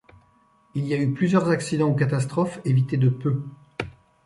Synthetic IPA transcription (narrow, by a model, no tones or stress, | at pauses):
iliayplyzjœʁzaksid̪ɑ̃okat̪as̬t̪χɔfevit̪ed̪əpø